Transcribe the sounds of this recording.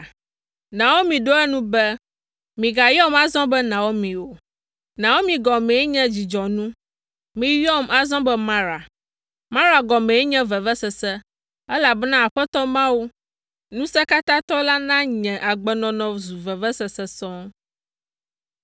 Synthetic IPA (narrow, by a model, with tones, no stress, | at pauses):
nã˨wo˦mĩ˨ɖo˦ɛ˦nũ˦bɛ˦ | mĩ˨ɡa˨jɔ˦ma˨zɔ̃˦bɛ˦nã˨wo˦mĩ˨wo˨ | nã˨wo˦mĩ˨ɡɔ˨mɛ̃˨˦ɲɛ̃˦d͡ʑi˨d͡ʒɔ˨nũ˦ | mĩ˨jɔ˦ma˨zɔ̃˦bɛ˦mã˦ɾa˨ | mã˦ɾa˨ɡɔ˨mɛ̃˨˦ɲɛ̃˦vɛ˨vɛ˦sɛ˨sɛ˦ | ɛ˦la˨bnã˦a˨ɸɛ˦t̪ɔ˦mã˦wu˦ | nũ˦sɛ˦ka˦t̪ã˦t̪ɔ˦la˦nã˦ɲɛ̃˨ʔa˨ɡ͡bɛ˨nɔ̃˨nɔ̃˨zu˨vɛ˨vɛ˦sɛ˨sɛ˨sɔ̃˦